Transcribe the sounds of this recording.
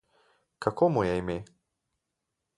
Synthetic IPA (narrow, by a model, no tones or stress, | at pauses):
kakomujɛime